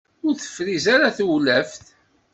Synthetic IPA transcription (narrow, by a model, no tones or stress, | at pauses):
ʊɾθə̥fɾizaɾaθwlæfθ